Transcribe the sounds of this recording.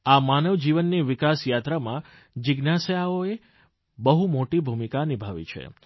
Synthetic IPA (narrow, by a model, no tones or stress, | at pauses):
amanəʋd͡ʒiʋənːiʋɪkasjat̪ɾamã | d͡ʒɪɡnasəjaoe | bəɦumoʈibʱumikanibʱaʋḭt͡ʃʰḛ